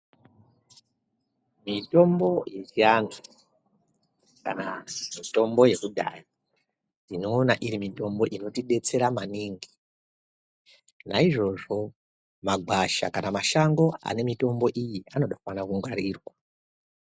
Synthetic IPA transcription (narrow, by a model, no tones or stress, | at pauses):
mito̞mbo̞jet͡ʃiandu | ka̰namito̞mbo̞je̞kudʱa̰ri | ino̞ːnaʔiɾimito̞mbo̞ʔino̞tiɗe̞t͡se̞ɾamaniŋɡi̥ | naiʐo̞ʐo̞ | maɡʱwaʃa̰kanamaʃaŋɡo̞a̰ne̞mito̞mbo̞ʔijiano̞ɗakuwanakuŋɡaɾiːrwa